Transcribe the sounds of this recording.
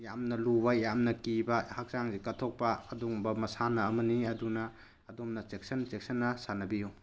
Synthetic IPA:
jamnɐlubɐjamnɐkibɐhak̚saŋzikɐtʰok̚pɐɐduŋbɐmɐsanɐːmɐniɐdunɐː | domnɐt͡ʃek̚sɐnt͡ʃek̚sɐnːɐsanɐbiju

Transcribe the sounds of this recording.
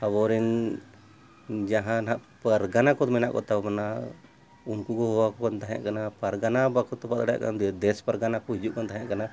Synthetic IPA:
abɔɾɛn | d͡ʒaɦãnaʔpaɾɡanakɔt̪ɔmɛnaʔkɔ̰t̪abana | unkuɡɔɦɔwakɔkɔnt̪aɦja̰ʔkanapaɾɡanabakʰɔt̪ːɔpat̪aɽja̰ʔka̰nd̪d̪ɛspaɾɡanakɔɦid͡ʒuʔ̚kɔnt̪aɦjaʔkana

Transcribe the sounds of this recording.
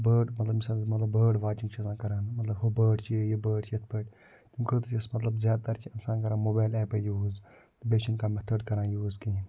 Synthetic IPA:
bəːɖmɐt̪lɐbmisaːnmɐt̪lɐbːəːɖʋaːt͡ʃiŋkt͡ʃʰisãːkɐɾaːnmɐt̪lɐbɦobəːɖt͡ʃʰiejɐbəːɖt͡ʃʰijɐt̪ʰpəʈ | t̪imkət̪t͡ʃɐsmɐt̪lɐbzjaːd̪̚t̪ɐɾt͡ʃʰiɐmsãːkɐɾãnmoːbaːlɛːpəjuːz | t̪beːt͡ʃʰɐnkaːmet̪ʰəɖkɐɾãːjuːzkĩ

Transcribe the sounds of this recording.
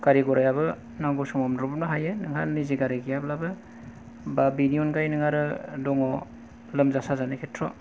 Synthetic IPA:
kaɾiɡɔɾajaβɯ | naŋɡɔsɔmɔmdɾɔb̚naɦajenɯŋɦaniziɡaɾiɡijablabɯ | babiniɔnɡajnɯŋaɾɯdɔŋɔ | lɯmzasazanekʰetʰɾɔ

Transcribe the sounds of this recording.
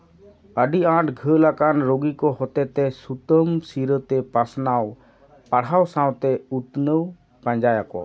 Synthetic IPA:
əɖiãʈʰɡʱəlakanɾoɡikɔhɔt̪ɛt̪ɛsut̪əmsiɾət̪ɛpasnaw | paɽ̤awsãwt̪ɛut̪nəw | pãɲd͡ʒajakɔ̰

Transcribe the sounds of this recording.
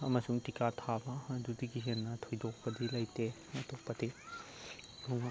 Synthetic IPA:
ɐmɐsuŋtikatʰabɐːdudiɡiɦenːɐtʰojdok̚pɐdilɐjte | ɐtok̚pɐdi | luŋ

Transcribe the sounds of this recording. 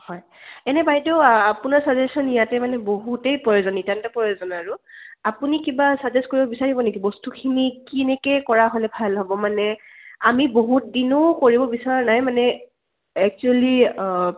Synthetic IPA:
hɔj | ɛnɛbajdɔapunaɹsad͡ʒɛsɔnijatɛmanɛboɦutejpɹɔjozɔnitantɔpɹɔjozɔnaɹʊapunikibasad͡ʒɛskoɹibɔbisaɹibɔnekibɔstukʰinikinɛkɛkɔɹaɦolɛbʱalɦɔbɔmanɛ | amiboɦut̚dinokoɹibɔbisaɹanajmanɛ | ɛk̚t͡ʃuali

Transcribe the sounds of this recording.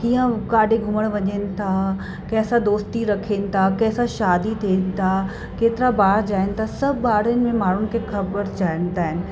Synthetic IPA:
kiːə̃kaːɖʱeɡʱʊməɽ̃ʋɐɲənɪ̆t̪ʰa | kɐ̃ɦɪ̃sãd̪oːst̪iɾɐkʰeːnɪ̆t̪ʰakɐ̃ɦɪ̃sãʃaːd̪it̪ʰinɪ̆t̪ʰa | keːt̪ɪɾabaːɾd͡ʑaːɪnɪ̆t̪ʰasɐbaːɾənɪ̆mẽmaːɽ̤ʊnɪ̆kʰexɐbəɾd͡ʑaːɪnɪt̪aːɦɪnɪ̆

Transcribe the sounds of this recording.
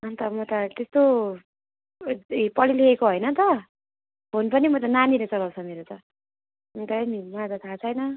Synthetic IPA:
ʌnt̪ʌmʌt̪ʌt̪est̪o | pʌlileekoɦʌjnʌt̪ʌ | bonpʌnimʌt̪ʌnaniɾʌt͡sʌlaw̃t͡sʰʌmeɾot͡sʌ | nt̪ʌmimad͡zʌt̪ʰat͡sʰʌjnʌ

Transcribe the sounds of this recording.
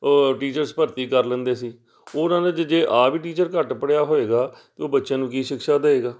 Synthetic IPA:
ʈiːt͡ʃəɾspəɾt̪iːkəɾlə̃nd̪eːsiː | oːnãːd̪ed͡ʒd͡ʒeːʔaːbiːʈiːt͡ʃəɾkəʈpəɽjaːɦoːeːɡaːt̪eoːbətːʃãːnũːkiːʃɪkʃaːd̪əeːɡaː

